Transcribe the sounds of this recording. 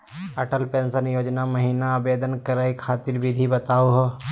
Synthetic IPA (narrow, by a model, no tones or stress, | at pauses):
ɐʈəlpẽːnsənjoːd͡ʒnamɐɦiːnaːbeːd̪ənkəɾaːikʰaːt̪ɪɾbʱɪd̪ʱibət̪aːoɦo